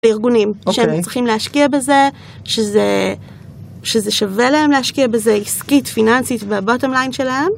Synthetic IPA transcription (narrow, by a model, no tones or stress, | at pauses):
iʁɡunimʃeemt͡sʁiχimlehaʃkiabeze̞ | ʃeze | ʃeze̞ʃavelahe̞mlehaʃkiabe̞zeiskitfinansitbeabote̞mlajnʃe̞lahe̞m